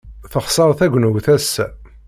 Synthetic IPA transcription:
θəχsˤəɾˤθæɡʷnwθæsæ

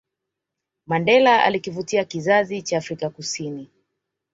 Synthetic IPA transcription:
mandɛlaʔa̰likivutiakizazit͡ʃaːfɾikakusini

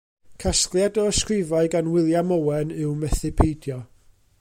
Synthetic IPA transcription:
kʰaskljadɔəskrɪvaɨɡanwɪlˠjamɔwɛnɨwmɛθɪpʰejdjɔ

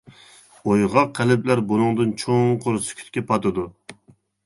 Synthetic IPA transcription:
ojʁɑqʰːælɪplæɾbonɨŋd̪ɨnt͡ʃʰoŋqʰoɾsɪ̥kʲʰy̥t̪̚kʲɛpʰɑt̪ɨd̪u

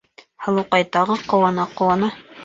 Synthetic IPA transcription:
hɑlˠɤqɑjt̪ɑʁɤqŏwɑnɑqŏwɑnɤ

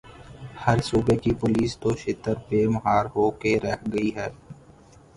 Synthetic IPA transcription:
hɐɾsuːbekipʊliːst̪oʃɪt̪əɾpeːməɦaːɾɦoːkeɾɛhɡɐiɦɛː

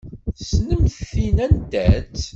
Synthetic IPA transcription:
snəmθinænd̪æt͡s

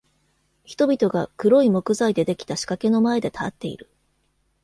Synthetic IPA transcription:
çi̥t̪o̞bʲit̪o̞ɡakɯ̟ɾo̞imo̞kɯ̟zaid̪e̞d̪e̞kʲi̥t̪aɕi̥kake̞no̞mae̞d̪e̞t̪ʰat̪ːe̞ḭɾɯ̟

